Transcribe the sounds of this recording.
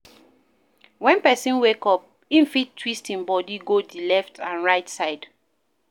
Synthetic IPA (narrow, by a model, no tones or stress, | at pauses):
wɛ̃npɛsĩnwekɔp̚ | ĩnfittʰːwistĩnbɔdiɡodilɛftʰãnɹaɪtsaɪd̥